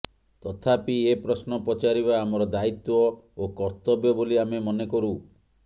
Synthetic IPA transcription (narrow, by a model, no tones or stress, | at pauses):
t̪ɔt̪ʰapiepɾɔsnɔpɔt͡ʃaɾiβaːmɔɾɔd̪ait̪wɔokɔɾt̪ɔbjɔboliamemɔnekɔɾu